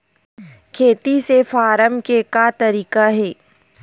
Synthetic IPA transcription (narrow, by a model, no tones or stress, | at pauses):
kʰeːt̪isefaːɾəmkekat̪ɐɾiːkaɦɛː